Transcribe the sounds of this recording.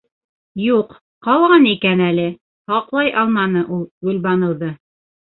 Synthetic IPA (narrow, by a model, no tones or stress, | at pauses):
juq | qɑlˠʁɑnikænælɘ | hɑqlˠɑjʔɑlˠmɑnɤʔulˠɡʉlbɑnɤ̆wðɤ